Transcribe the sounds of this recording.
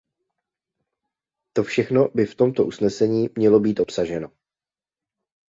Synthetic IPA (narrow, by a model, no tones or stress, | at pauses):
t̪o̞fʃɛxno̞bɪft̪o̞mt̪o̞ʔusnɛsɛɲiːmɲɛlo̞biːt̪ʔo̞psaʒɛno